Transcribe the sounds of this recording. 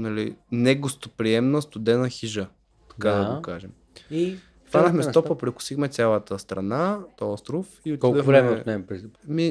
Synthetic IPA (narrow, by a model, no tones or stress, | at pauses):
nɐlḭnɛɡost̪opɾiɛmnəst̪ʊd̪ɛnəxiʒə | t̪ɐ̥kad̪ɐɡokaʒɛm | i | t̪anəxmɛst̪ɔpəpɾikʊ̥sixmɛt̪sʲjalˠət̪əst̪ɾɐ̰nat̪ɔst̪ɾʊfiot̪id̪əvɾɛmɛot̪nɛpɾmi